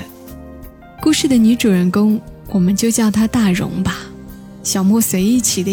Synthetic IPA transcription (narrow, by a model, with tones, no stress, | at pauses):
ku˥˧ʂɻ̩˥˩d̪ə˩ny˧˥ʈ͡ʂu˨˩ɻə˧˥nkʊ˥ŋwʔɔ˨˩mə˦nt͡ɕjo˥˧ʊt͡ɕjɑ˥˩ʊt̪ʰa˥t̪a˥˩ɻʊ̰˧˥ŋbɐ˧ | ɕjɑ˨˩ʊmwɔ˥˩swe˧˥ɪi˥˩t͡ɕʰi˨˩d̪ə˦